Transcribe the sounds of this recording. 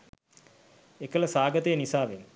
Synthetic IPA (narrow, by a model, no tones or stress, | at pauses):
ekələsaːɡət̪əjənisaːʋenu